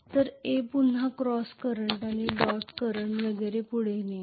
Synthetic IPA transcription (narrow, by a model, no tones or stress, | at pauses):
t̪əɾepun̤ːakɾɔskəɾəɳʈañilɔʈkəɾəɳʋəɡeɾepuɽ̤ene